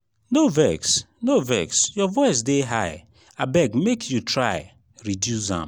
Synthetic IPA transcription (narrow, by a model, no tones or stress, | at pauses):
novɛks | novɛksjɔvɔɪs̬deɦaɪ | abɛɡmekʰjutʰɹaɪ | ɹidjusã̰m